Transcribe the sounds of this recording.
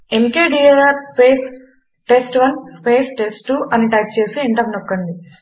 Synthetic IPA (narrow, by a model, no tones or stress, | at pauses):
emkeːɖiːɐɾaːɾspeːs | ʈesʈʋɐnspeːsʈesʈːuʔɐniʈɐjp̚t͡ʃe̞ːsiiɳʈɐmnokːɐɳɖi